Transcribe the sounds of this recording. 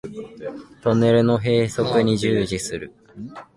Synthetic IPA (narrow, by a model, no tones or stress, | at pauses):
t̪o̞ne̞ɾɯ̟no̞ɦe̞ːso̞kɯ̟ɲ̟iʑɨːʑisɨɾɯ̟